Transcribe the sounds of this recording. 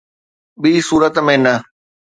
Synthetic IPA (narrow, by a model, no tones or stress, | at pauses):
ɓiːsuːɾət̪mẽnɐ